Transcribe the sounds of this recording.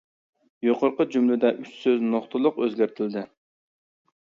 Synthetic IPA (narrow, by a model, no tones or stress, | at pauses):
joqoɾqəd͡ʒymlɪd̪ɛʔyt͡ʃsøznoχt̪ʰɨlˠʊqøzɡʲæɾt̪ʰɪld̪ɪ